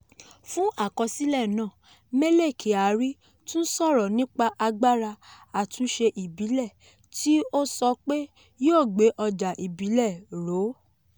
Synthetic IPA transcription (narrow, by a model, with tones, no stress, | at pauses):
fũ˦ʔa˦˨kɔ˧si˦lɛ˦˨nãː˦˨ | me˦le˦˨kʰe˨a˨ɾi˦ | tũ˦n̩˦sɔ˦˨ɾɔ˨nĩ˦k͡pa˧ʔa˧ɡ͡ba˦ɾa˧ | a˨tũ˨˦ʃe˧ʔi˨bi˨˦lɛ˦˨ | ti˦o˦sɔ˧k͡pe˦ | jo˦˨ɡ͡be˨˦ʔɔ˧d͡ʒa˨ʔi˨bi˨˦lɛ˦˨ɾo˨˦